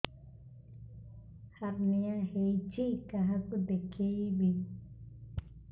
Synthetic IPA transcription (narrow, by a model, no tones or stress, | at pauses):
haɾnĩãheit͡ʃikaɦakud̪ekʰeiβi